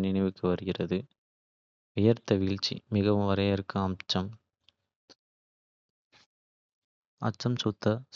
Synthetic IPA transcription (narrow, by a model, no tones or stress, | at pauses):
nɪnɐɪʋɯkːɯʋɐɾɯɣɪrɐðɯ | ʋɪjɐɾt̪ːɐʋiːɭt͡ʃːḭmɪɣɐʋɯmʋɐɾɐjɐɾɯkːɯɐmt͡ʃːɐm | ɐ̰t͡ʃːɐmsʊt̪ːɐ